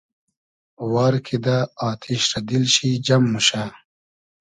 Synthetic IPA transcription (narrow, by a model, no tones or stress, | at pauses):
wɑːɾkʰid̪aaːt̪ʰiɕɾɐd̪ilɕid͡ʑɐmːuɕa